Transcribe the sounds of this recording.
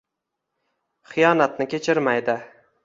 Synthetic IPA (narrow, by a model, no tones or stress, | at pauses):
χɨjɒnat̪nɪkʲʰe̞t͡ʃʰɪɾmajd̪ɪ